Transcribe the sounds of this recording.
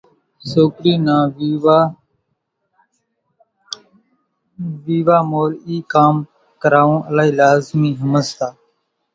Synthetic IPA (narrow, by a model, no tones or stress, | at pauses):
soːkɾiːnãːʋaː | ʋiːʋaːmoːliːkaːm | kəɾaːʋõːʔəlaːiːlaːzmiːɦəməst̪aː